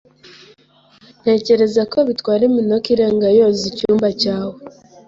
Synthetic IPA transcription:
n̥e̞ːce̞ɾe̞zako̞βitwaːɾimino̞kiɾe̞ːŋɡajo̞zicuːmbacaːwe

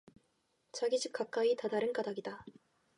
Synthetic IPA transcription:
t͡ɕaɡid͡ʑʰip̚k͈ak͈aitadaɾɯnk͈adaɡida

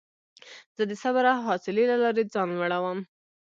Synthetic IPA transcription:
z̥əd̪əsaβaɾaɦɑsɪlelalɑɾed͡zɑnwaɽawəm

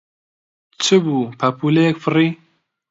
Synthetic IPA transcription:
t͡ʃʰɨbuːpʰɐpʰulejɛkfɨriː

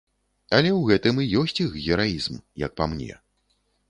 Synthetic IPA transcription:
ɐlʲɛwɣɛt̪ɨmijɔsʲt͡sʲixɣʲɛɾajizmjɐ̰k̚pamnʲɛ̰

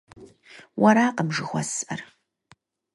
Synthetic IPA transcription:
wʔɐɾaːqəmʒɨxʷɔ̰sʔɐr

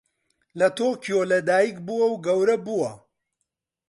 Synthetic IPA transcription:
lɐt̪ʰoːkʰijoːlɐd̪aːjikbuwɐwɡɐwɾɐbuwɐ

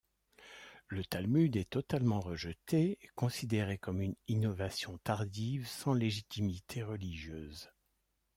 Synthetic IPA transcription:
lət̪almyd̪ɛt̪ɔt̪almɑ̃ʁəʒət̪ekɔ̃sid̪eʁekɔmyninɔvasjɔ̃t̪aʁd̪ivsɑ̃leʒit̪imit̪ʰeʁəliʒjøːz

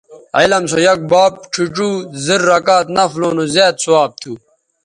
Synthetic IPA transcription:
elɐmsojɐk̚baːp̚ʈ͡ʂʰuʈ͡ʂuːziɾːɐkaːt̪nɐfloːnozaːt̪suaːb̚t̪ʰuː

